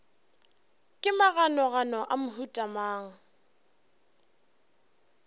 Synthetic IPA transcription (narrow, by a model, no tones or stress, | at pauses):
kʼɪmaɣanɔɣanɔʔamʊhutʼamaːŋ̩